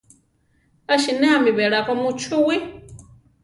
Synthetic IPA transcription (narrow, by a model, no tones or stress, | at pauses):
aʃinɛamiβɛɺakɔmut͡ʃʰuwi